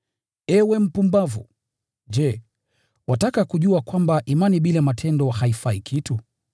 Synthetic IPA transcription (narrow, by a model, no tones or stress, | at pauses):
ɛwɛm̩pumbavṵ | ʄɛ | watakakuʄuakwambaʔimaniɓilamatʰɛndɔhaifaikʰitu